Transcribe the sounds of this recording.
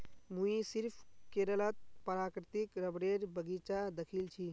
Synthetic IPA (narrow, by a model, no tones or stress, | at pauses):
mũisiɾpʰkeɾələt̪̚pəɾakɾɪt̪ikɾəbɽeɾbəɡit͡ʃad̪əkʰilt͡ʃʰi